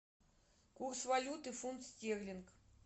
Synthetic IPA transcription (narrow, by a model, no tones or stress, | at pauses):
kursvɐlʲut̪ɨfunt̪sʲtʲeɣlʲɪnk